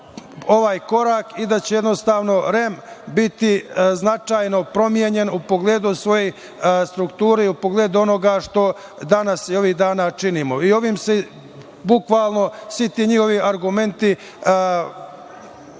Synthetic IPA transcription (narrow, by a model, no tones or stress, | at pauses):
o̞ʋaːjko̞ɾakid̪at͡ɕeje̞d̪no̞st̪aːʋno̞ɾe̞mbit̪iznat͡ʃaːjno̞pɾo̞mjeɲe̞nupoɡle̞ːd̪usʋo̞je̞j | st̪ɾukt̪uːɾeiupoɡleːd̪uo̞no̞ɡaʃt̪o̞ | d̪anasio̞ʋiːɣd̪aːnat͡ʃiniːmo̞io̞ʋiːmse | bukʋaːlˠno̞sʋit̪iɲixo̞ʋiʔaɾɡume̞nt̪i